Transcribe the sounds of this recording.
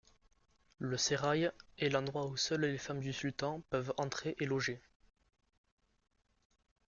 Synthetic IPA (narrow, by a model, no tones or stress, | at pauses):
ləseʁajɛlɑ̃d̪ʁwausœllefamd̪ysylt̪ɑ̃pœvɑ̃t̪χeʔelɔʒe